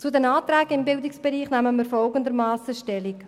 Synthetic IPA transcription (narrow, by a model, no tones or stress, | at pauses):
t͡sudɛnɑːt̪ɾæːɡəɪmbɪldiksb̥ɛɾiːχnæməməɾfɔlɡəndəɾmɑːsəʃtɛlik